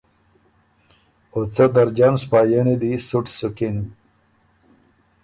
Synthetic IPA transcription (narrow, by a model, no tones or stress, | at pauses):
ot͡sad̪aɾd͡ʑanspaːjənid̪isuʈsukin